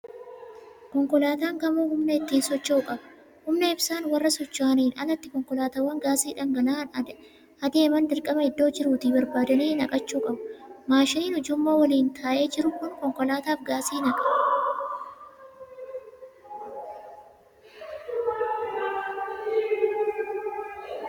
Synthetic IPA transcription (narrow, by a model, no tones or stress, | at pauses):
kɔŋkɔlaːt̪aːŋkɐmuːhʊmnɐɪt̪ːiːnsɔt͡ʃːoʊkʼɐbɐ | hʊmnɐɪbsaːnwɐrːɐsɔt͡ʃːaːniːnɐnɐt̪ːɪkɔŋkɔlaːt̪awːɐŋɡaːsiːᶑɐŋɡɐlaːn | ɐd̪e̞ːmɐnd̪ɪlkʼɐmɐɪd̪ːo̞ːd͡ʒɪɾuːt̪ɪbɐɾbaːd̪ɐniːnɐkʼɐt͡ʃːuːkʼɐbʊmaːʃɪniːnɔd͡ʒʊmːoːwɐliːnt̪ʰaːʔe̞ːd͡ʒɪɾʊkʊnkɔŋkɔlaːt̪aːfɡaːsiːnɐkʼɐ